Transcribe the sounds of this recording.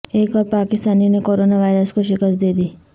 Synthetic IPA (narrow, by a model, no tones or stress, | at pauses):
eːkɔːɾpaːkɪst̪aːninekoːɾoːnaʋaːɪɾəskoʃɪkəst̪̚d̪eːd̪iː